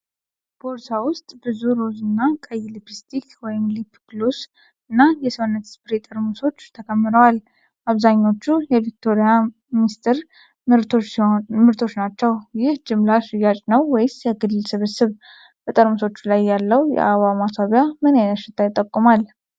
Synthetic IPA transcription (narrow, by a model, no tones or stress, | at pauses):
b̥oɾsawʊst̪ʼbɨzuɾozɨnːakʼəjlipʰist̪ʰikwɔjɪmlipʰːklus | ɨnːajɛsɨβɨnːət̪spɨɾet̪ʼəɾmuso̞t͡ʃːt̪ʰəkʰəmːɨɾəwal | ʔaβzaɲːo̞t͡ʃːujɛvik̚t̪ʰo̞ɾija | mist̪ʰɨɾ | mɨɾt̪ʰo̞t͡ʃnat͡ʃːɛwjɪhd͡ʒɪmlaʃɪjːat͡ʃʼnəwːɔjɪsjɛɡɨlːɨlsɨβɨsɨβ | b̥ət̪ʼəɾmuso̞t͡ʃːlajːalːəwjɛ̰ʔaβamasʰaβjamənajaʃɪt̪ʰʼːajit̪ʼːəkʼːumal